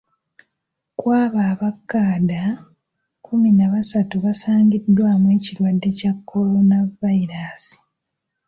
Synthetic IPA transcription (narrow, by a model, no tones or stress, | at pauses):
kwaːβaːβakːaːda | kuminaβasatuβasaːɲɟidːwamwe̞ːcilwadːe̞cakːo̞ɾo̞navaiɾaːsi̥